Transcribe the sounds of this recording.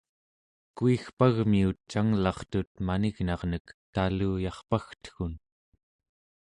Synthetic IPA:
kuixpaɣmiut̪̚t͡ʃaŋlɑχt̪ut̪̚maniɣnɑʁnəkt̪aluːjɑχpaxt̪ə̥xun

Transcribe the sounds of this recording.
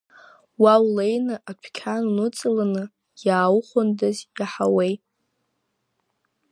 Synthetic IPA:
wawle̞jnɨʔapʷʰkʲʰannɨt͡sʼɨlanɨ | jaːwχʷʊndazjaħawej

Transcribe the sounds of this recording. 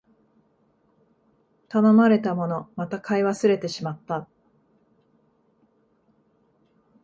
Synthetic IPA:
t̪ano̞maɾe̞t̪amo̞no̞mat̪akʰaiβasɨɾe̞t̪e̞ɕimat̪ːa

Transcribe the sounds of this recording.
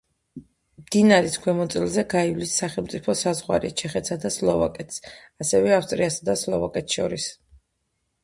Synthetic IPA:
md̪̥inaɾiskʰwɛmɔt̪sʼilˠzɛɡaivlisːaχɛlˠmt̪sʼipʰɔsazʁwa̰ɾḭt͡ʃʰɛχɛt̪ʰsad̪aslˠɔva̰kʼɛt̪ʰsasɛvɛafst̪ʼɾiasad̪aslˠɔva̰kʼɛt̪ʰʃɔ̰ɾis

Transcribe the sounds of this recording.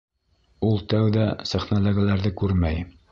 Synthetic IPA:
ulˠt̪æwðæsæχnolˠoɡʲalæɾðɘkʉɾmæj

